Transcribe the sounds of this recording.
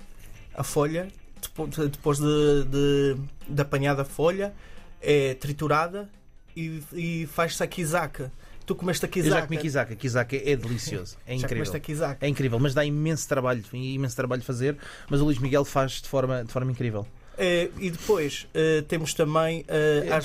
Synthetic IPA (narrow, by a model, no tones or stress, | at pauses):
ɐ̰foʎɐ | d̪ɨpod̪ɨpojʒðɨd̪ɨd̪ɐpɐɲaðɐfoʎɐɛt̪ɾit̪uɾaðɐ | iifaʃsɐkizakɐt̪ukumɛʃt̪ɐkizewʒakumikizakɐkizakɛɛðɨlˠisio̰zuɛĩʒakkɾivmɛʃt̪ɐkizakɛĩkɾivɛlˠmɐʒd̪aimẽst̪ɾɐβaʎuiimẽst̪ɾɐβaʎfɐzeɾ | mɐzulˠiʒmiɣɛlˠfaʒd̪ɨfɔɾmɐd̪ɨfɔɾmɐĩkɾivɛ̰lˠ | ɛiðɨpojʃɛt̪emuʃt̪ɐ̃mɐ̃j̃ɛa